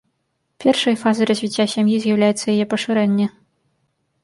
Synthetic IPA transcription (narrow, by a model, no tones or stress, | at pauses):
pʲɛrʂɐjfazɐjɾɐzʲvʲit͡sʲːasʲamjizʲjawlʲajɛt̪sːɐjajɛpɐʂɨɾɛnʲːɛ